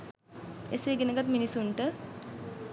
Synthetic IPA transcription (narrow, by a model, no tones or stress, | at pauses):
eseːɡenəɡat̪minisuɳʈə